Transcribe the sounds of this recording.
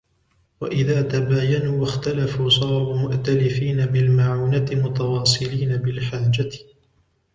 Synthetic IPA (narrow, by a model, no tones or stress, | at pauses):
wa̰ʔɪðaːt̪abaːjanuːwaxt̪alafuːsˤɑːɾuːmʊʔt̪alɪfiːnabɪlmaʕuːnat̪ɪmʊt̪awɑːsˤɨliːnabɪlħaːd͡ʒa